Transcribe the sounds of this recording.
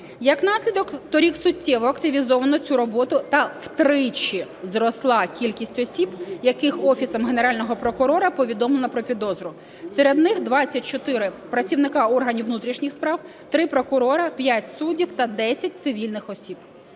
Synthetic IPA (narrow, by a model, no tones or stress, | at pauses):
jɐknɑsʲlʲid̪ɔkt̪ɔɾʲiksʊtʲːɛʋɔɐkt̪ɪʋʲizɔʋɐnɔt͡sʲuɾɔbɔt̪ʊt̪ɐwt̪ɾɪt͡ʃi | zɾɔslˠɑkʲilʲkʲisʲtʲɔsʲibjɐkɪxɔfʲisɐmɦeneɾɑlʲnɔɦɔpɾɔkʊɾɔɾɐpɔʋʲid̪ɔmlˠelˠɐpɾɔpʲid̪ɔzɾʊ | sɛɾed̪nɪxd̪ʋɑt͡sʲːɐt̚ʲt͡ʃɔt̪ɪɾɪpɾɐt͡sʲiwnɪkɑɔrɦɐnʲiwnut̪ɾʲiʃnʲɪxspɾɑw | t̪ɾɪpɾɔkʊɾɔɾɐpʲjatʲsudʲiwt̪ɐd̪ɛsʲɐt̚ʲt̪sɪʋʲilʲnɪxɔsʲib̥̚